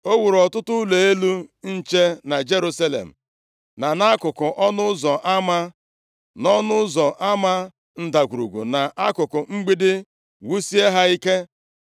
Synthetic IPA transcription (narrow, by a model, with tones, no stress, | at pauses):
o˦wu˨ɾɔ˨tʊ˦tʊ˦le˨e˦lu˦n̩˦t͡ʃe˦na˨d͡ʒe˦ɾu˦sa˦lḛ˨m̩˨ | na˨na˦kʊ˨kʊ˨ʔɔ˦nʊ˦zɔ˨ʔa˦ma˦ | nɔ˦nʊ˦zɔ˨ʔa˦ma˦ | n̩˦da˨ɡʷu˨ɾṵ˨ɡṵ˨na˨ʔa˦kʊ˨kʊ˨ŋ͡m̩˦ɡ͡bi˦dɪ˦ | wu˦si˦e˦ɦa˦i˦ke˦